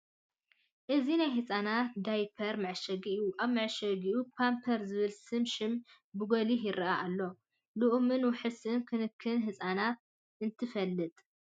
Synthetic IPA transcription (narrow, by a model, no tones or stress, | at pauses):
ʔɨzinajɦɨsʼanat̪̚d̪ajpʰɐɾmɐʕʃɐɡiʔijuʔaβmɨʕʃɐɡijupʰampʰɐɾzɨβɨlsɨmʃɪm | bɨɡoliɦɪɾɐʔaʔalːo̞ | luʔmɨnwʊħɨsɨnkʰɨnɨkʰːɨnɦɨsʼanat̪̚ | ɨnt̪ʰɨfɐlːɨt̪ʼ